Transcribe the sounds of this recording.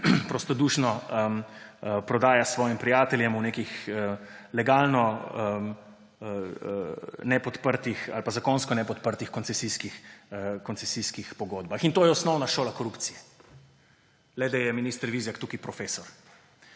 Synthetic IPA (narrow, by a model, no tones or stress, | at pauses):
pɾost̪ɔd̪uːʃnɔəəpɾɔd̪aːjasʋɔːjimpɾijaːt̪ɛljɛmuneːkixəlɛɡaːlnɔəm | ə | nɛpɔt̪pəɾt̪ixa̰lpazakonskɔnɛpɔt̪pəɾt̪ixkɔnt̪sɛsiskixkɔnsɛsiskixpɔɡoːd̪baxint̪oːjɛɔsnɔwnaʃoːlakɔɾupt̪sijɛ | lɛd̪ajɛminiːst̪ɾʋizjakt̪uːkipɾɔfeːsɔɾ